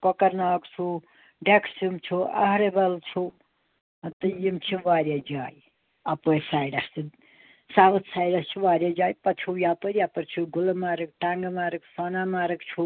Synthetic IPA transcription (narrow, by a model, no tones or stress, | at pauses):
kɔkɐɾnaːkt͡ʃʰu | ɖekʰsumt͡ʃʰuɐ̰ɦɾebɐlt͡ʃʰu | t̪ɨjimt͡ʃʰiʋaːɾjad͡ʒaːj | ɐpəjsaːjɖast͡si | saʋɐt̪saːjɖɐst͡ʃʰuʋaːɾʲjad͡ʒaːjpɐt͡ʃʰujapəɾjapɐɾt͡ʃʰuɡulɐmaːɾɨk̚ʈaŋɡɐmaːɾɨksanamaːɾɨkt͡ʃʰu